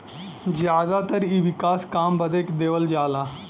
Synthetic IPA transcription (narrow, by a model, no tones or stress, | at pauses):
d͡ʑjad̪at̪əɾiʋikaskambəd̪ekd̪eʋəld͡ʑala